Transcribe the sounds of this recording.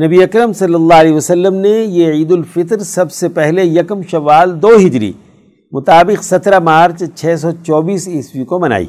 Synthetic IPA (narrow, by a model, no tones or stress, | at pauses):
nɐbiɐkɾəmsɐlːəlːaːlɛːiʋɐsɐlːəmnejeiːd̪ʊlfɪt̪ɾsɐbsepɛɦlejɐkmʃɐʋaːld̪oːɦɪd͡ʒɾḭ | mʊt̪aːbɪqsɐt̪ɾamaːɾt͡ʃt͡ʃʰɛːs̬ɔt͡ʃɔːbiːsɪswikomɐna̰ːḭː